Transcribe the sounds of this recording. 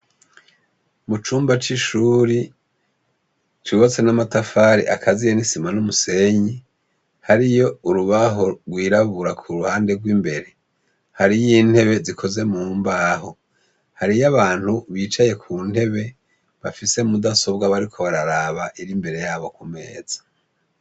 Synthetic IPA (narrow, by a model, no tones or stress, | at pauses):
mut͡ʃuːmbat͡ʃiʃuːɾi | t͡ʃiβat͡se̞namatafaːɾḭʔakʰazijenisimanumuse̞ɲi | haɾijo̞uɾuβaɦo̞ɾɡwiːɾaβuɾakʰuɾuhaːnde̞ɡwiːmbe̞ɾe̞ | haɾijiːn̥he̞βe̞zikʰo̞ze̞mumbaɦo | haɾijaβaːn̥huβiːt͡ʃaje̞kʰuːn̥he̞βe̞ | βafise̞mudaso̞bɡaβaɾikʰo̞βaɾaɾaːβaʔiɾimbe̞ɾe̞jaːβo̞kume̞̰ːz̥ḁ